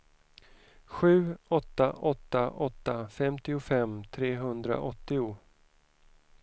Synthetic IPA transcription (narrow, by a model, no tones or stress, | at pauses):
ɧʉ̟ːɔt̪ːaʔɔt̪ːaʔɔt̪ːafɛmt̪ɪʊfɛmːt̪ʰɾeːɦɵnd̪ɾa̰ʔɔt̪ːɪʊ